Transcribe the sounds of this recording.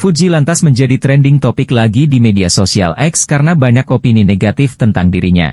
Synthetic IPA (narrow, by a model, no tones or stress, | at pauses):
fud͡ʒilant̪asməɲd͡ʒadit̪ɾɛndɪŋt̪opɪklaɡidimediasosia̰lʔɛkskaɾənabaɲakopinineɡat̪ɪft̪ənt̪aŋdiɾiɲa̰